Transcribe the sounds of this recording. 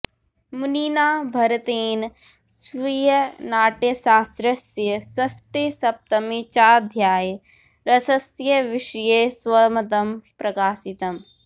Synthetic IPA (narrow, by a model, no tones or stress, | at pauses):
muniːnaːbʱɐɾɐt̪eːn | sʋijɐnaːʈjɐʃaːst̪ɾɐsjɐsɐsʈisɐp̚t̪ɐmit͡ʃaːd̪ʱjaːj | ɾɐsɐsjɐʋɪʃjeːswɐmɐt̪̬ɐmpɾɐkaːsit̪ɐm